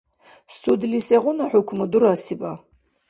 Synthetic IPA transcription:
stʰudliseʁʷʊnaħʊkʷʰmadurasiba

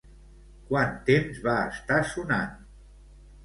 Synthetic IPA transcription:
kwant̪emzβaəst̪asuna̰n

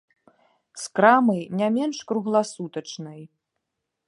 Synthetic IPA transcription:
skɾamɐjnʲamʲɛnʂkɾuɣlˠasut̪ɐt͡ʂnɐj

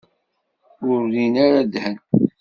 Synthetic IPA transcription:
ʊɾlinaɾad̪hən

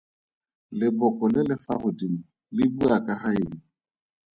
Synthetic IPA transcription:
lɪbɔkʼɔlɪlɪfaɣʊdim̩ | lɪbuakʼaɦaɪŋ̩

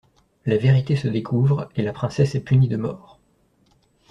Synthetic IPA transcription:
laveʁit̪esəd̪ekʰuvʁelapχɛ̃sɛsɛpynid̪əmɔːʁ

